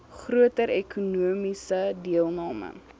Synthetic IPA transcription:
χruətəɾɛkʰunuəmisədiəlˠnɑːmə̰

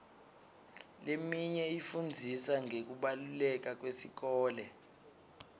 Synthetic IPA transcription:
lemiɲɛifund͡zʱisaŋek̬uɓalulɛk̬ak̬wesik̬ɔːlɛ

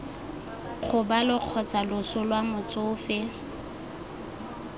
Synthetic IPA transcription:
χʰʊbalʊq͡χʰɔt͡salʊsʊlwamʊt͡sʼʊːfɪ

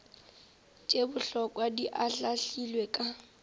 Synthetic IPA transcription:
t͡ʃʼebʊɬɔkʼwadiʔaɬaɬilwekʼa

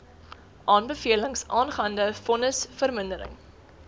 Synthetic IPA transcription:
ʔɑːnbəfiələŋsʔɑːnχɐndəfɔnəsfərməndəɾə̰ŋ

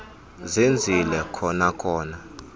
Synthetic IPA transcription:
zind͡zʱilɛkʰɔnakʰɔːna

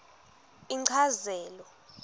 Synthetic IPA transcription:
iǀʰazɛːlɔ

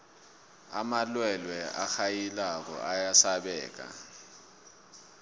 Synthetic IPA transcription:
amalwɛlwɛa̰xajilak̬ɔ̰ʔajasaɓɛːk̬ʼa̰

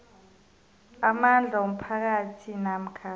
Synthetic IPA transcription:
amand͡ɮʱaom̩pʰak̬atʰinam̩kʰaː

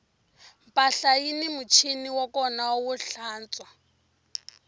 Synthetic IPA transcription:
m̩pʼaɬajinimut͡ʃʰiniwɔkɔnauwuɬaːnt͡sʼwa

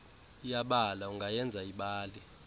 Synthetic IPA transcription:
jaɓalauŋɡajɛnd͡zʱaiɓaːlɛ

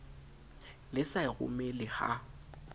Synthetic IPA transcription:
lɪsaɪɣʊ̰melɪɣa̰

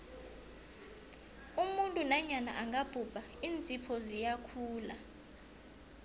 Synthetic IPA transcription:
umuntʼunaɲana̰ʔaŋɡab̥ʱub̥ʱaiːnt͡sʼipʰɔzijakʰuːla

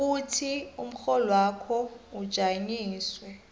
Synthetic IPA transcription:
utʰium̩xɔlwaːkʰɔud̥ʒ̥ʱaɲiːswɛ

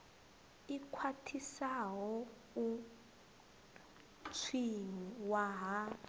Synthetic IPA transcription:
ikʰwatʰisaɦɔ | u | t͡sʰiŋiwaɦa

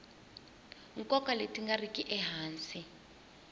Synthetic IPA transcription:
ŋ̩kʼɔkaletʼiŋɡarikʼiʔɛɦaːnt͡si

